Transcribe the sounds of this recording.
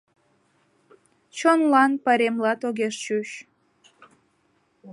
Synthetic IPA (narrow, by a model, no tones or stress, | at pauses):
t͡ɕonlɑnpəɾemlɑt̪oɣeʃt͡ɕuɕ